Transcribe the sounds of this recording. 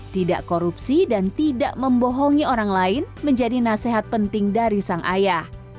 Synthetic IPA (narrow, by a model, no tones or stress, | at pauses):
t̪ida̰ʔkoɾupsidant̪idaʔməmbɔɦɔŋioɾaŋlaɪnməɲd͡ʒadinaseɦat̪̚pənt̪ɪŋdaɾisaŋʔajah